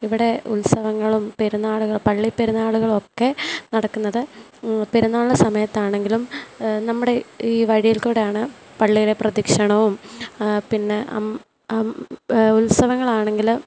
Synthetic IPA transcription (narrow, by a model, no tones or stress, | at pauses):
iʋiɽe̞ulsɐʋɐŋːɐɭumpeɾunːaːɭuɣɐɭpɐɭːipːeɾunaːɭuɣɐɭo̞kːe̞nɐɽɐkːunːɐðɨ | peɾunːaːɭːɐsɐmɐjɐt̪ːaːɳe̞ŋɡilumnɐmːuɽe̞iːʋɐɻijilkuːɽejaːɳɨ | pɐɭːijileprɐðikʂɐɳɐʋumpinːe̞ɐ̰ | ulsɐʋɐŋːɐɭaːɳe̞ŋɡil